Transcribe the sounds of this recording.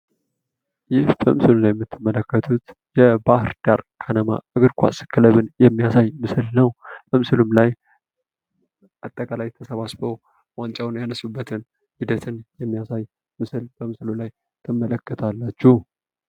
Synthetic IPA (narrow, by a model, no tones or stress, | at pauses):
jɪhb̥əmɨsɨlulajɛmːɨt̪ʰːɨmːələkːət̪ʰut̪jɛbahɾd̪̥aɾkʰanəma̰ʔɨɡɨɾkʷʰa̰sɨ̥kʰːɨləβɨnjɛmːijasajmɨsɨlnəwb̥əmɨsɨlumlaj | ʔat̪ʼːəkʼalajt̪ʰəsəβasbəw | want͡ʃʼawnjanəsːubːət̪ʰɨn | hid̪ət̪ʰɨnjɛmːijasaj | mɨsɨlb̥əmɨsɨlulaj | t̪ʰɨmːələkːət̪ʰalːat͡ʃːu